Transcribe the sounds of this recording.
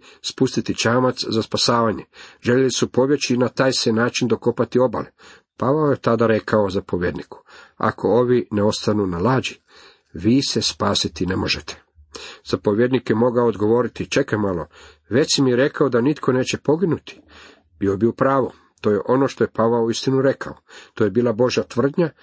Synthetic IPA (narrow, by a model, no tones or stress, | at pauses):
spust̪it̪it͡ʃaːmat̪szaspasaːʋaɲe̞ʒeʎelisupo̞ʋje̞t͡ɕinat̪aːjsenaːt͡ʃind̪o̞ko̞pat̪io̞ba̰le | paʋaojet̪ad̪aɾe̞kʰaozapo̞ʋjed̪niku̥a̰kʰo̞oʋineo̞st̪anunalaːd͡ʒi | ʋiːse̞spaːsit̪inemo̞ʒet̪e̥ | z̥apo̞ʋjed̪nikjemo̞ɡaood̪ɡo̞ʋo̞ɾit̪it͡ʃekamalˠo̞ | ʋe̞t͡ʃ̪imijeɾe̞kaod̪anit̪kʰo̞ne̞ːt͡ɕepo̞ɡinut̪i̥ | biobiupɾaːʋo̞ | t̪oːjeʔo̞no̞ʃt̪o̞je̞paʋauist̪inuɾe̞kʰa̰ot̪oje̞biːlˠabo̞ʒjat̪ʋr̩d̪ɲa